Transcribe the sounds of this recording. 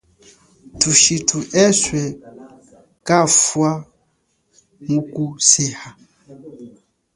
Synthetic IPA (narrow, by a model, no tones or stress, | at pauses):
tuʃitʰuʔɛswɛ | kafwa | mukusɛha